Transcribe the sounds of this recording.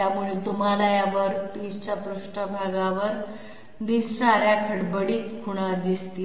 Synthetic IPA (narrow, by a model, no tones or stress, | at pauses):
jamuɭet̪umalajaʋəɾp̪ist͡ɕapɾuʂʈəbʱaɡaʋəɾ | d̪issaɾjakʰəɽbəɽiːt̪kʰuɽ̃ad̪ist̪i